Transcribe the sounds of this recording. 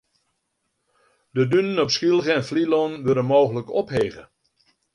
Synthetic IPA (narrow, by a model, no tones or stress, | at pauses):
dədynənɔpskilˠɣəɛnflilonʋølənmoːɣələkɔpheːɣə̰